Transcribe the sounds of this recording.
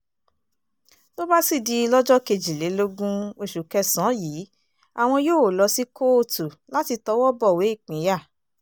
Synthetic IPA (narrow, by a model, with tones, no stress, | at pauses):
to˦ba˦si˦˨di˧i˧lɔ˦d͡ʒɔ˦ke˧d͡ʒi˨le˨˦lo˦ɡũ˦o˧˨ʃu˨kɛ˧sɔ̃˨˦jiː˨˦ | a˨w̃ɔ̃˧joː˦˨wo˨lɔ˧si˦ko˦˨tu˨ | la˦ti˧tɔ˨˦wɔ˦bɔ˦˨we˨˦i˦˨k͡pĩ˨˦ja˦˨